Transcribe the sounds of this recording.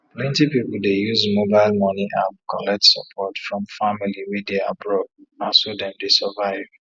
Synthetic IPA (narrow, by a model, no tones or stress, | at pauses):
plɛ̃ntipipuldejuzmobaɪlmɔniʔapkɔlɛk̚tsɔ̰pʰɔtfɹɔ̃mfamiliwɛdea̰bɹɔdasodɛ̃mdesəvaɪv